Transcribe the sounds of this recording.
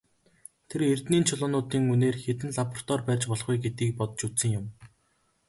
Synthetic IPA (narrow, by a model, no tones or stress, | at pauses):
t̪ʰeɾert̪niːnt͡ɕʰʊɮʊːnʊːt̪iːŋuneːrxet̪ɘ̆nɮapɔr̥t̪ɔːrpæːrʲt͡ɕpɔɮχujɡet̪iːk̚pɔt̪̆t͡ɕut̪sɘ̆ŋjʊm